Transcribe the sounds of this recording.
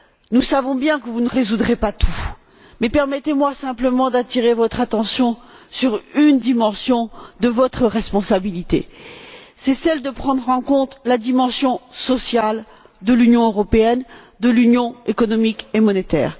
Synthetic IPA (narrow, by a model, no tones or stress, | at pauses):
nusavɔ̃bjɛ̃kəvunəʁezud̪ʁepat̪ʰu | mɛpɛʁmɛt̪emwasɛ̃pləmɑ̃d̪at̪iʁevɔt̪χat̪ɑ̃sjɔ̃ | syʁynd̪imɑ̃sjɔ̃d̪əvɔt̪χəʁɛspɔ̃sabilit̪ḛ | sɛsɛld̪əpχɑ̃d̪ʁɑ̃kɔ̃t̪lad̪imɑ̃sjɔ̃sɔsjal | d̪əlynjɔ̃øʁɔpeɛn | d̪əlynjɔ̃ekɔnɔmikemɔnet̪ɛ̰ːʁ